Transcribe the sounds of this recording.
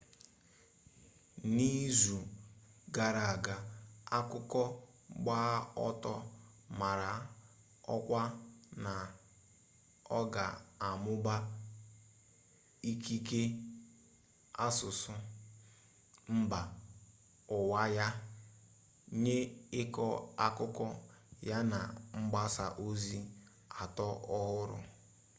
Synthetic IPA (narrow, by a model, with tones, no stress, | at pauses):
ni˦zu˨ | ɡa˨ɾa˨a˨ɡa˨a˦kʊ˦kɔ˦ | ɡ͡baː˦ɔ˦tɔ˦ | ma˨ɾa˨˦ | ɔ˦kʷa˦na˨ | ɔ˦ɡa̰˨a˨mʊ˦ba˦ | i˦ki˦ke˦ | a˦sʊ˨sʊ˦ | m̩˦ba˨ | ʊ˨wa˦ja˦ | ɲe˦ɪ˦kɔ˦a˦kʊ˦kɔ˦ja˦na̰˨ŋ͡m̩˦ɡ͡ba˦sa̰˨ʔo˦zi˦ | a˨tɔ˦ɔ˦ɦʊ˦ɾʊ̰˨